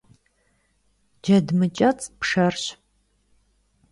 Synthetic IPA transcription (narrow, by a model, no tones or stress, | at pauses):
d͡ʒɐdmɨt͡ʃʼɐt͡sʼpʂɐrɕ